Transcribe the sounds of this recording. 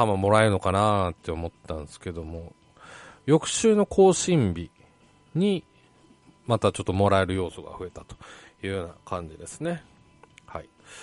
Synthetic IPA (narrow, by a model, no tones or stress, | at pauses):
hamamo̞ɾaeɾɯno̞kanat̪ːe̞omo̞t̪ːãnsɨ̥ke̞d̪o̞mo̞ | jo̞kɯ̟̥ɕɨːno̞kʰo̞ːɕĩmbʲi | ɲ̟i | mat̪at͡ɕo̞t̪ːo̞mo̞ɾae̞ɾɯ̟jo̞ːso̞ɡa̰ɸɯ̟e̞t̪at̪o̥jɯ̟ːjo̞ːnakãɲ̟d͡ʑid̪e̞sɨ̥ne̞ | ha̰i